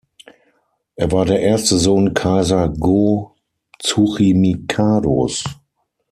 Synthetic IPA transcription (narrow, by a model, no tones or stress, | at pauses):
ʔeːɐvaːɐdeːɐʔeːɐstəzoːnkʰaɪzɐɡo | t͡suχimikʰaːdo̰s